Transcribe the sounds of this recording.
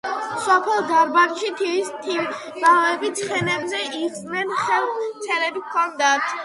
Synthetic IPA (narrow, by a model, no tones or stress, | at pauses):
sɔpʰɛlˠd̪aɾbanʃit̪ʰist̪ʰi | bavɛbit̪sʰχɛnɛbzɛisʼnɛnχɛlˠt̪sʰɛlɛbikʰɔnd̪at̪ʰ